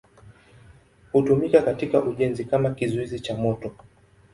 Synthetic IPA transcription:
hutumikakatikaʔuʄɛnzikamakizuizit͡ʃamɔtɔ

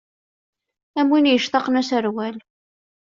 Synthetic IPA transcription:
æmwinjəʃt̪ɑqnæsəɾwæl

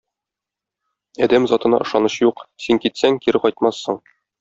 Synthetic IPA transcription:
ɒd̪æmzɒt̪ɤ̆nɑ̰ʔɤ̆ʃɑnɤɕjuqsiŋkit̪sæŋkiɾɘqɒjt̪mɑsːɤɴ

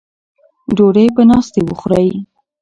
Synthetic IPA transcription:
ɖoɽəjpənɑst̪ewəxɾaji

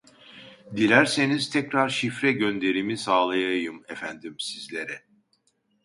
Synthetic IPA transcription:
d̪ilʲæɾse̞niz̥t̪ʰɛcɾaɾʃifɾɛɟønd̪e̞ɾimisaːlˠajajɯmefænd̪imsizlʲe̞ɾɛ

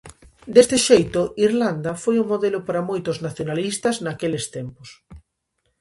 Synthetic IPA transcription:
d̪est̪ɪʃejt̪ʊiɾland̪ɐfojʊmoðelʊpaɾamojt̪ʊznaθjonalist̪ɐznakelest̪empʊs

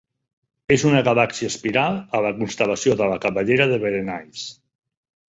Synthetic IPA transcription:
ezunəɣalaksiəspiɾalˠələkunst̪əlasioðəlakaβəʎeɾaðəβəɾenaʎs

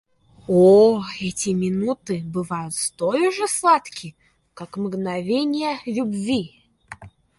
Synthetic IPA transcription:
oɛtʲɪmʲɪnut̪ɨbɨvajʊt̪st̪olʲʊʐɨslˠat̪kʲɪ | kakmɡnɐvʲenʲɪjəlʲʊbvʲi

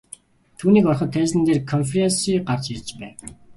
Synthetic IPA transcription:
t̪ʰuːniːkɔrχə̆t̪ʰːæːsɘ̆nt̪eːrkʰɔnfeɾensiːɢart͡ɕirt͡ɕpæ̰ːw

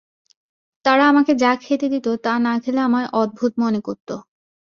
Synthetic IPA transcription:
t̪aɾaamaked͡ʑakʰet̪ed̪it̪ot̪anakʰeleamaeʔɔd̪̚bʱut̪monekoɾt̪o

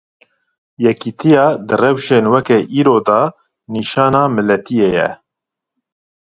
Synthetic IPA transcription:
jɛkit̪ʰijɑːd̪ɨrɛwʃeːnwɛkɛʔiːɾoːd̪ɑ | niːʃɑːnɑːmɨlɛt̪ʰijejɛ̰

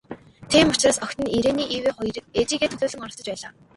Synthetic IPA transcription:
t̪ʰiːmʊt͡ɕraːsɔxʲt̪ɘ̆niɾeːniːʔiːweːχʊjɾɘ̆k̚et͡ɕiːɣeːt̪ʰɵɮoːɮə̆ŋɔɾɞ̆sɞ̆t͡ɕpæːɮaː

